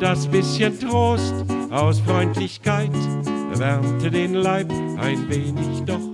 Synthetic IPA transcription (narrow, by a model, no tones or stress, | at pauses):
d̥asb̥ɪsçəntʁoːstʔaʊsfʁɔʏntʰlɪçkʰaɪtvɛʁntədeːnlaɪpʔa̰ɪnveːnɪçd̥ɔχ